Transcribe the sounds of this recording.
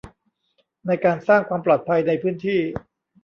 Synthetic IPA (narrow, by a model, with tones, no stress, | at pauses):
na˧jkaː˧nsaː˥˩ŋkʰwaː˧mplɔː˨˩t̪̚pʰa˧jna˧jpʰɯː˥nt̪ʰiː˥˩